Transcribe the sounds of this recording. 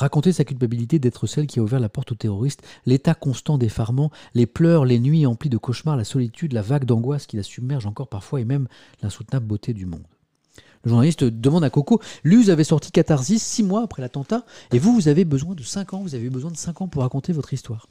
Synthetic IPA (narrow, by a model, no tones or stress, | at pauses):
ʁakɔ̃t̪esakʲylpabilit̪ed̪ɛt̪χəsɛlkʲiauvɛʁlapɔʁt̪ot̪eʁɔʁist̪let̪akɔ̃st̪ɑ̃d̪efaʁmɑ̃leplœʁlenɥiɑ̃plid̪əkɔʃmaʁlasɔlit̪yd̪lavaɡd̪ɑ̃ɡwaskʲilasybmɛʁʒɑ̃kɔʁpaʁfwaemɛm | lɛ̃su̥t̪nabəbot̪ʰed̪ymɔ̰̃d̪ | ləʒuʁnalist̪d̪əmɑ̃d̪akɔkolyzavɛsɔʁt̪ʰi̥kat̪aʁzisːimwaːpχɛlat̪ɑ̃t̪aevuvuzavebəzwɛ̃d̪əsɛ̃kɑ̃vuzaveybəzwɛ̃d̪əsɛ̃kɑ̃puʁːakɔ̃t̪evɔt̪χist̪waːʁ